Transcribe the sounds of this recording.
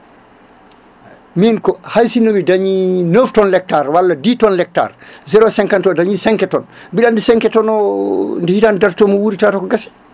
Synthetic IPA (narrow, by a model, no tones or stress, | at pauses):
minkɔhajsinomidaɲinəftɔnlɛk̚taɾwalːaditɔnlɛk̚ta̰ɾzɛɾɔsɛŋkantɔdaɲisɛŋkɛtɔnbiɗandisɛŋkɛtɔnɔndɛhitandaɾtɔmɔwuɾitaːtɔkɔɡasɛ̥